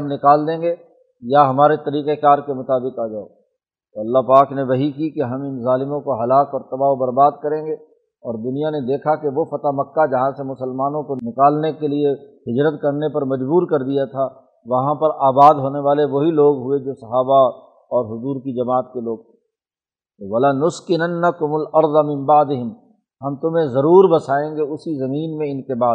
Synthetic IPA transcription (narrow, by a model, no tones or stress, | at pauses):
mnɪkaːld̪ẽːɡe | jaɦɐmaːɾet̪ɐɾiːqekaːɾkemʊt̪aːbɪqaːd͡ʒaːo̰ | t̪oɐlːaɦpaːkneʋɐɦikikeɦɐmɪnzaːlɪmõkoɦɐlaːkɔːɾt̪ɐbaːobɐɾbaːd̪̚kɐɾẽːɡe | ɔːɾd̪ʊnijaned̪eːkʰakeʋofɐt̪aːmɐkːad͡ʒɐɦãsemʊsəlmaːnõkonɪkaːlnekelie | ɦɪd͡ʒɾət̪kɐɾnepɐɾmɐd͡ʒbuːɾkɐɾd̪ijat̪ʰaː | ʋɐɦãpɐɾaːbaːd̪ɦoːneʋaːleʋoɦiloːɡɦʊed͡ʒoːsɐɦaːba | ɔːɾɦʊzuːɾkid͡ʒɐmaːət̪̚keloːɡ̚t̪ʰẽ̥ | ʋɐlanʊskɪnɐnːɐkʊmʊlɐɾd̪ɐmɪ̃mbaʕd̪ɪɦɪm | hɐmt̪ʊmẽzɐɾuːɾbɐsaːẽːɡeʊsizɐmiːnmẽɪnkebaː